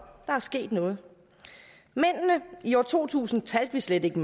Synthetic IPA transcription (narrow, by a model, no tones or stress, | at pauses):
d̥ɑ̈æɐsɡ̥e̝̰ːd̥nɔ̽ːð̞̩ˠ | men̰nəiɒt͡sʰo̝̰ːt͡sʰṵːsn̩t͡sʰæld̥ʋisled̥e̝ɡ̥əm